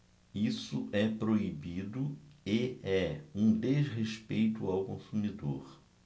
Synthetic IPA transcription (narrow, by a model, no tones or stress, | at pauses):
isʊʔɛpɾoibid̪ʊeɛũd̪ezɦeʃpejt̪ʊawkõsumid̪o̰ɾ